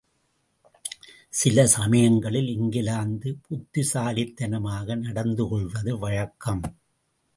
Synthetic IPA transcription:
sɪlɐsɐmɐjɐŋɡɐɭɪlɪŋɡɪlaːnd̪ɯpʊt̪ːɪsaːlɪt̪ːɐnɐmaːɣɐnɐɽɐnd̪ɯkɔɭʋɐðɯʋɐɻɐkːɐm

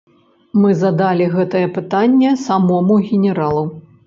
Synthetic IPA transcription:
mɨzɐd̪alʲiɣɛt̪ɐjɐpɨt̪anʲːɛsamɔmuɣʲɪnʲɛɾalˠu

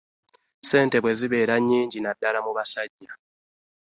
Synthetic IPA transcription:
se̞ːnte̞βwe̞ziβeːɾaɲːiːɲɟinadːaɾamuβasaɟːa

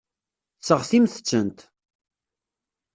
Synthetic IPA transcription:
t͡sːəʁθimθə̥t͡sːənt̪

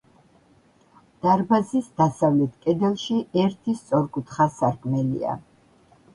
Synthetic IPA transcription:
d̪̥aɾbazisd̪asavlɛt̪ʰkʼɛd̪ɛlˠʃiɛɾt̪ʰist̪sʼɔɾkʼut̪ʰχasaɾkʼmɛlḭa̰

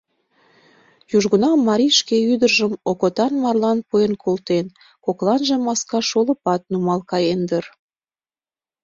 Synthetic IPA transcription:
juʒɣənɑmːɑɾʲiʃkeyd̪ərʒəmokot̪ɑnmɑrlɑnpujenkʰolt̪en | koklɑnʒemɑskɑʃolə̆pɑt̪̚numɑlkɑjend̪ər

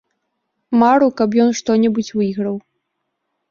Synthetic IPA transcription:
maɾukɐp̬jɔnʂt̪ɔnʲɛbut͡sʲvɨɣɾɐw

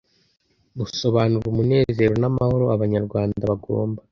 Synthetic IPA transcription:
ɡuso̞βaːnuɾumune̞ːze̞ːɾo̞namaho̞ɾoaβaɲaɾɡwaːndaβaɡo̰ːmba

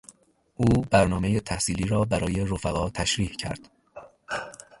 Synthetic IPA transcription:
ʔuːbæɾnɒːme̞jet̪ʰæhsiːliːɾɒːbæɾɒːje̞ɾofæɣɒːt̪ʰæʃɾiːhcʰæ̰ɾd̪̥

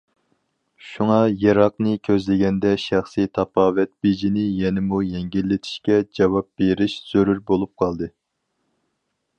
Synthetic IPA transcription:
ʃuŋɑjɑɾɑqnɨkʲʰøzlɪɡʲɛnd̪ɛʃæχsɨt̪ʰɑpʰɑːvɛt̪̚b̥ed͡ʒinɪjɛnɪmujɛŋɡʲilːɪt̪ʰi̥ʃkʲɛd͡ʒɑwɑp̚b̥eɾiʃz̥øɾyɾbolˠup̚qʰɑlˠd̪ɨ

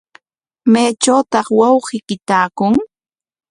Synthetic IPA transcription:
majt͡ʃawt̪ɑχwɑwɢɪkɪt̪aːkʊŋ

